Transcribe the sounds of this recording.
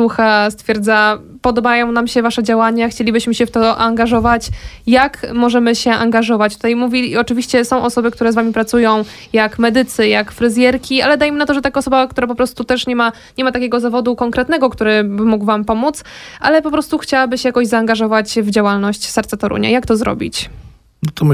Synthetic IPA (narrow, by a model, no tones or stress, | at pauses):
suxast̪fʲjɛɾd̪zapɔd̪ɔbajɔ̃w̃namɕɛvaʂɛd͡ʑawaɲaxt͡ɕelʲibɘɕmɘɕɛft̪ɔaŋɡaʐɔvat͡ɕjakmɔʐɛmɘɕɛʔaŋɡaʐɔvat͡ɕt̪u̥t̪ajmuvʲiɔt͡ʂɘvʲiɕt͡ɕɛsɔ̃w̃ʔɔsɔbɘkt̪uɾɛzvamʲipɾat̪sujɔ̃w̃ | jakmɛd̪ɘt̪sɘjakfɾɘzʲjɛɾkʲialɛd̪ajmənat̪ɔʐɛt̪akaɔsɔbakt̪uɾap̬ɔpɾɔst̪ut̪ɛʂɲɛma | ɲɛmat̪akʲɛɡɔzavɔd̪ukɔŋkɾɛt̪nɛɡɔkt̪uɾɘbɘmuɡvampɔmut̪sʔalɛpɔpɾɔst̪uxt͡ɕawabɘɕɛjakɔʑzaːŋɡaʐɔvat͡ɕvd͡ʑawalnɔɕt͡ɕsɛɾt̪sat̪ɔɾṵɲa̰jakt̪ɔzɾɔ̰bʲḭt͡ɕ | nɔt̪ɔm